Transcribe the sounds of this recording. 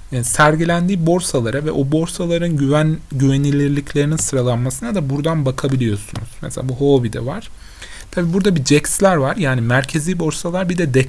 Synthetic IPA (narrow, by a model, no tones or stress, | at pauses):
sæɾɟilʲænd̪iːbo̞ɾsalˠaɾavɛ̰ʔobo̞ɾsalˠaɾɯnɟyvænɟyve̞nilʲiɾlʲicʰlʲe̞ɾininsɯɾalˠanmasɯnad̪abuɾd̪anbakʰabilʲijo̞sunuz̥mɛselʲaːbuɦo̞ːbid̪ɛ̰vaɾ̥ | t̪ʰabiːbuɾd̪abid͡ʒɛcslʲæɾvaɾjaːnimæɾcʰe̞ziːbo̞ɾsalˠaɾbid̪ɛd̪ɛ